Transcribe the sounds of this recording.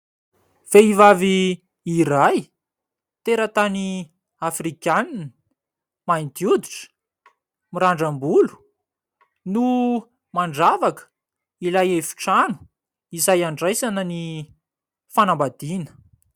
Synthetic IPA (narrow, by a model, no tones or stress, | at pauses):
v̥eivaviː | ɾaj | t̪eɾət̪ani | afrikann | mant̪jud̪iʈ͡ʂə̥ | miɾaɳɖ͡ʐambulu̥ | nu | maɳɖ͡ʐavakə̥ | ilajefi̥ʈ͡ʂanu̥ | izajaɳɖ͡ʐajsanəni | fanambad̪inə̥